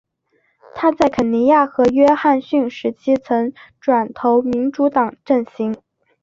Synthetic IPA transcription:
t̪ʰa˥t͡sa˥˩ɪkʰə˨˩nni˧˥ja˥˩xɤ˧˥ɥɛ˥xa˥˧nɕy˥˩ŋʂɻ̩˧˥t͡ɕʰi˥t͡sʰɤ˧˥ŋʈ͡ʂwa˨˩nt̪ʰo˧˥ʊmi˧˥nʈ͡ʂu˧˥t̪ɑ˨˩ŋʈ͡ʂə˥˩ŋɕi˧˥ŋ

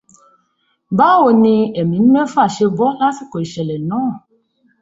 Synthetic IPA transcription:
ba˦wo˨nĩ˧e˨mĩ˨nũ˦mɛ˦fa˦˨ʃe˧bɔ˦la˦si˦ko˨i˨ʃɛ˨lɛ˨nɔ̃˦˨

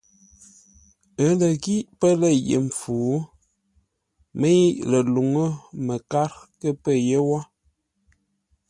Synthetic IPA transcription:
ə˨˦lə˨ɡi˦ʔpə˦lə˦˨jḛ˨m̩˨fuː˨˦ | mə˦ji˦ʔlə˨lu˨ŋə˦mə˨ka˦ɾkə˦pə˦˨je˦wa˦

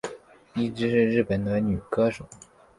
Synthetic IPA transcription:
i˥˩ʈ͡ʂɻ̩˥ʂɻ̩˥˧ɻɻ̩˥˩pə˨˩nd̪ə˧ny˨˩kɤ˥ʈ͡ʂʊ˨˩˦

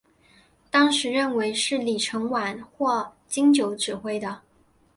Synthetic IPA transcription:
t̪ɑ˥ŋʂɻ̩˧˥ɻə˥˩nwe˧˥ɪʂɻ̩˥˩li˨˩ʈ͡ʂʰɤ˧˥ŋwa˨˩nxwɔ˥˩ | t͡ɕi˥ŋt͡ɕjo˧˥ʊʈ͡ʂɻ̩˨˩xwe˥ɪd̪ə˨

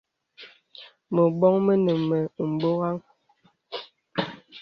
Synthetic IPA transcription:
mə˨ɓɔ˦ŋmə˦nə˨mːɛ˨m̩˨bo˦ɣa˦ŋ

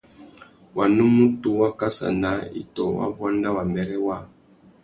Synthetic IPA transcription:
wa˨nu˦mu˦tu˨wa˦ka˦sa̰˨na˨˦ḭ˨tɔ˨wa̰˦bwa˦nda˦wa˨mbɛ˨ɾɛ˦wa˦˨

